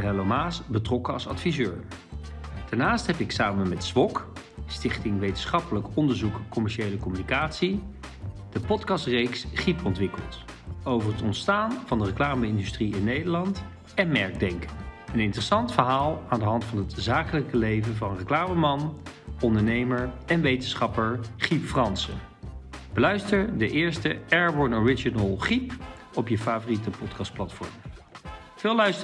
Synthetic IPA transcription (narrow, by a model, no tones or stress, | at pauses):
rɛlomaːsbətrɔkəɑ̰lˠsɑ̰tfizøːɹ | d̥aɹnaːstɦɛpɪksaːmənmɛtsʋɔk | stɪχtɪŋʋejtənsχɑpələkɔndəɹzukkɔmɛɹʃejləkɔmynikaːtsi | d̥əpɔtkɑstrejksχipɔntʋɪkəlˠt | owvəɹɦətɔntstaːnvɑndərəklaːməɪndystriɪnːejdəɹlɑnt | ɛnmɛɹɡ̚dɛŋkənɪntərəsɑntfəɹɦaːlˠaːndəɦɑntfɑnɦətzaːkələkəlejvənvɑnrəklaːməmɑnɔndəɹnejməɹɛnʋejtənsχɑpəɹχipfrɑnsə | b̥əlœɥstəɹdəʔɪːɹstəɛɹbɔɹnɔɹɪd͡ʒinəlˠχip | ɔpjəfaːvoritəpɔtkɑst̚plɑtfɔ̰ɹm | vɪːlœɥst